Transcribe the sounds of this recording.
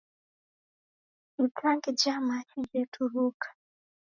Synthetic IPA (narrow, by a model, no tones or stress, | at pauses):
itʰaŋɡid͡ʒamat͡ʃid͡ʒɛtʰuɾukʰḁ